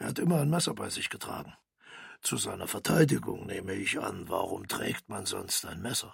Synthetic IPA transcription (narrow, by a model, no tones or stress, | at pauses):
ʔeːɐhatʔɪmɐaɪnmɛsɐbaɪzɪçɡ̥ətʁ̥a̰ːɡŋ̩ | t͡suzaɪnɐfɛɐtʰaɪdɪɡʊ̰ŋneːməɪçʔa̰nva̰ʁʊmtʁ̥ɛ̰ːktmanzɔ̰nstaɪnmɛsɐ